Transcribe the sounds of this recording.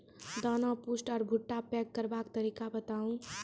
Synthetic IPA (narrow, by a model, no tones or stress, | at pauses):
d̪anapusʈɔːɾbʱʊʈːapɛkkːəɾbakt̪əɾiːkabət̪aːũ